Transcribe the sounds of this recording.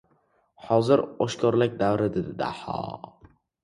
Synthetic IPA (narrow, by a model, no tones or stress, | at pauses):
hɒzɪɾɒʃkʰɒɾlak̚ʲd̪avɾɪd̪ɪd̪ɪd̪a̰ħɒ̰